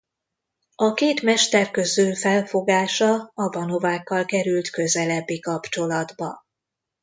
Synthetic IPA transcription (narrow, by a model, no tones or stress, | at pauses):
ɒkeːt̪mɛʃt̪ɛrkø̞zøːfɛlfo̞ɡaːʃɒɒvɒno̞vaːkːɒlkɛɾylt̪kø̞zɛlɛbːikɒpt͡ʃo̞lɒd̪bɒ̰